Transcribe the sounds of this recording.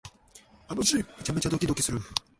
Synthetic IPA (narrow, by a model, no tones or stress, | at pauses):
anoɕiet͡ɕamet͡ɕad̪o̞kʲid̪o̞kʲisɨɾɯ